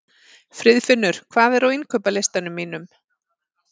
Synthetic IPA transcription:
fɾɪðfɪnːʏɾ̥kʰvaːðɛɾawinkʰœːpalɪjst̪anʏmːiːnʏm

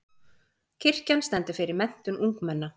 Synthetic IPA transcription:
cʰɪr̥canst̪ɛnt̪ɪfɪɾɪɾmɛn̥t̪ʏnuŋkmɛnːa

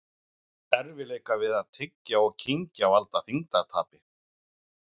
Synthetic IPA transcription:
ɛɾvɪleːjkavɪðaðt̪ʰɪcjaɔɣcʰiɲcaːvalt̪aθiŋt̪aɾt̪ʰa̰ːpɪ

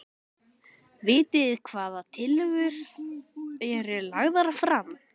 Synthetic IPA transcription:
vɪːt̪ɪðkʰvaːðat̪ʰɪlʏɣʏɾ̥ | jɛɾɛɾlaɣðaɾafɾam

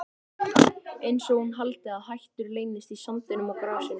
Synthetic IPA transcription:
ejnsɔɣhunɦalt̪ɪaðhajht̪ʏɾleːjnɪst̪isamt̪ɪnʏmawkɾaːwsɪn

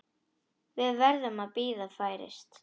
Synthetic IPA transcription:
vɪðvɛɾðʏmaðpiːðafaːjɾɪ̰st̪

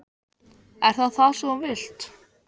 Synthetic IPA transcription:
ɛɾ̥θaðθaðsɔɔvɪl̥t̪

